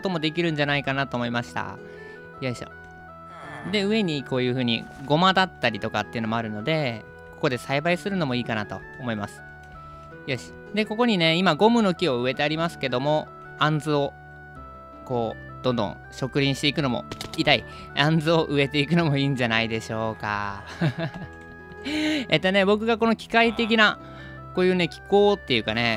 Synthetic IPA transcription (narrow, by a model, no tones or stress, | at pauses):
ot̪o̞mo̞d̪e̞kʲiɾɯ̟̃ɲ̟d͡ʑanaikanat̪o̞ːmo̞imaɕi̥t̪a̰ | jaɕa̰ | d̪e̞ɯ̟e̞ɲ̟iko̞ːjɯ̟ːɸɯ̟ːɲ̟ḭɡo̞mad̪at̪ːaɾʲit̪o̞kat̪ːeɯ̟no̞mo̞aɾɯ̟no̞d̪e̞ | ko̞kod̪e̞saibaisɨɾɯ̟no̞mo̞iːkanat̪o̞̰ːmo̞imasɨ̥ | jaɕ | d̪e̞ko̞ko̞ɲ̟ine̞imaɡo̞mɯ̟no̞kʲio̞ɯ̟e̞t̪e̞aɾʲimasɨ̥ke̞d̪o̞mo̞ | ãnzɨo̞ | ko̞ː | d̪̥õ̞nd̪õ̰ | ɕo̞kɯ̟ɾʲĩɕi̥t̪e̞ikɯ̟no̞mo̞̰it̪ai | ãnzɨo̞ʔɯ̟e̞t̪e̞ikɯ̟no̞mo̞iːɲ̟d͡ʑanaid̪e̞ɕo̞ːka̰ | et̪ːone̞bo̞k̬ɯ̟ɡako̞no̞kʲi̥kait̪e̞kʲina | koːjɯ̟ːne̞kʲi̥ko̞ːt̪ːe̞jɯ̟kane̞